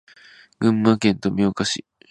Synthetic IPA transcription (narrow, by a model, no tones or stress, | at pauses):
ɡ̥ɯ̟̃mːakẽ̞nt̪o̞mʲiokaɕḭ